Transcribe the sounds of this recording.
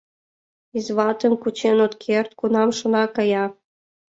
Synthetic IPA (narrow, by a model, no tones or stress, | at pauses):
izβɑt̪ə̆mkut͡ɕenot̪kʰert̪̚kunɑmʃŏnɑkɤjɑ